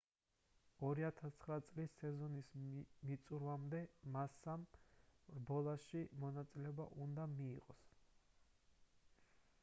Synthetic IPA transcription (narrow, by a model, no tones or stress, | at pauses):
ɔɾiat̪ʰast̪sʰχɾat̪sʼlisːɛzɔnismit̪sʼuɾvamd̪ɛmasam | bɔlˠaʃimɔnat̪sʼilɛɔbaʔund̪amiːqʼɔ̰s